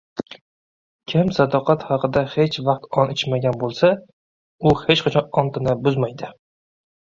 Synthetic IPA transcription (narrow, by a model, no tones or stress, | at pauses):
kʲʰɪmsad̪ɒqɑt̪hɑqɨd̪ahe̞t͡ʃvɑq̚t̪ɒnɪt͡ʃmaɡʲanbolˠsa | ʊhet͡ʃqʰɑt͡ʃʰɒnɒnt̪ɪnabʊzmajd̪ɪ